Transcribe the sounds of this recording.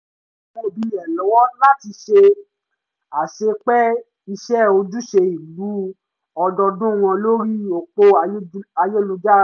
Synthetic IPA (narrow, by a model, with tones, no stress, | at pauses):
mo˦˨bi˨˦ɛ˨lɔ˨˦wɔ̃˦la˦ti˧ʃe˧ | a˨ʃe˧k͡pɛ˦ | i˧ʃɛ˦o˧d͡ʒu˦ʃe˧i˨lu˨˦ | ɔ˧dɔ˧dũ˦˨w̃ɔ̃˧lo˦ɾi˦o˨k͡po˧˦a˧je˦˨lu˧d͡ʒa˦